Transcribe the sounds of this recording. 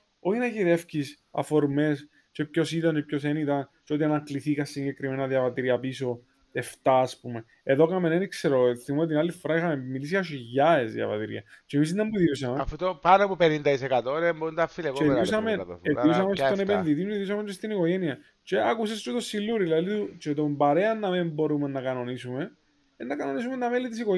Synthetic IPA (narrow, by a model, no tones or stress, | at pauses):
oçinɐçiðefcis | ɐ̰foɾme̞s | t͡ʃe̞pço̞sit̪ɐnt͡ʃepçosenit̪ɐnt͡ʃeot̪iɐnɐkliθikɐsːiɲɟe̞kɾimenɐðjɐvɐt̪iɾiɐpiso̞ | eft̪ɐːspume̞ | eðokɐmenenikseɾoθimomt̪inalːifːoɾɐixɐmemilis̬ijɐʃ̬iʝɐezðjɐ̰vɐ̰t̪iɾḭɐ̰t͡ʃemis̬inːɐmbuðiusɐmeft̪opɐnopupenind̪ɐisekɐt̪oɾemboɾund̪ɐfileɣeðus̬ɐmeekius̬ɐmest̪onepenðit̪̬iuðiusɐmet͡ʃest̪iniko̞ʝe̞niɐ | t͡ʃeɐkusest͡ʃ̪ut̪osːilːuɾilɐðit̪ut͡ʃet̪ombɐɾe̞ɐnːɐmimbo̞ɾumenːɐkɐno̞nisume̞ | enːɐkɐno̞nisumenːɐmelːit̪isiko